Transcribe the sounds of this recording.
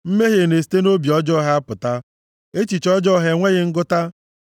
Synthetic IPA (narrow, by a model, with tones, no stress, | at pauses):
m̩˦me˦ɦe˨ne˨si̥˨te˦no˦bi˨ɔ˦d͡ʒɔ˦ɦa˦a˦pʊ˨ta˦ | e˦t͡ʃi˨t͡ʃɔ˦d͡ʒɔ˦ɦe˨ŋʷe˦ɣɪ˦ŋ̩˦ɡʊ˦ta˦